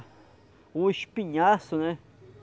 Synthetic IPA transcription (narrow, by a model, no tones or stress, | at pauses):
uiʃpiɲãsonẽ